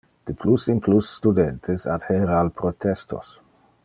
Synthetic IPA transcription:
d̪̥əpʰlusinplusːt̪ud̪ɛnt̪ʰesa̰d̪heɾalpɾot̪ɛst̪o̰s

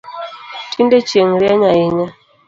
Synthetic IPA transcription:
tʰindet͡ʃeŋ̩ɾiaɲaiɲa

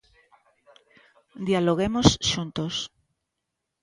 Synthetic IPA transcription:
d̪ialoɣ̞emosʃunt̪os

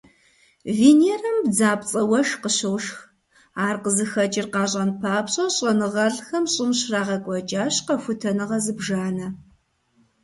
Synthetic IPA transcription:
viːneːrɐmbd͡zaːpt͡sʼɐwɐʃqəɕɨwʃx | aːrqəzɨxɐt͡ʃʼɪrqɑːɕʼɐnpʰaːpɕʼɐɕʼɐnɨʁɐrxɐmɕʼɪmɕraːʁɐkʷʼɔt͡ʃʼaːɕqɐfʷʊtʰɐnɨʁɐzɨbʒaːnɐ

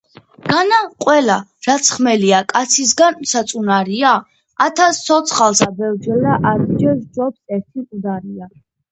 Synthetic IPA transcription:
ɡ̥anaqʼwɛlaɾat̪sʰχmɛliakʼat̪sʰis̬ɡansat̪sʼunaɾiaː | t̪ʰast̪sʰɔt̪sʰχalˠsabɛvd͡ʒɛlaʔad̪d͡ʒɛsd͡ʒɔpsɛɾt̪ʰiud̪aɾia

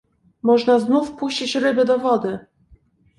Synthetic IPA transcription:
mɔʐnaznufpuɕt͡ɕit͡ɕɾɘbɘd̪ɔvɔd̪ɘ

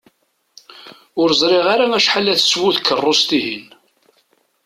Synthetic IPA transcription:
ʊɾzˤɾɪʁaɾaæʃħalːæθswuðkʰːərˤːost̪iɦin

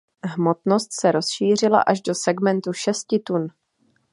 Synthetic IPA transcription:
ɦmo̞t̪no̞st̪sɛɾo̞sʃiːr̝ɪla̰ʔaʒdo̞sɛɡmɛnt̪uʃɛscɪt̪un

